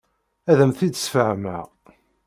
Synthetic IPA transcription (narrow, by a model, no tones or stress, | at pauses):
æðəmθid̪ə̥sfəʕmæ̰